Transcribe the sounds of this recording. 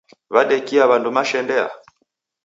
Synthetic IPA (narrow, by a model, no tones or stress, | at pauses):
βaɗɛkiaβandumaʃɛndɛa̰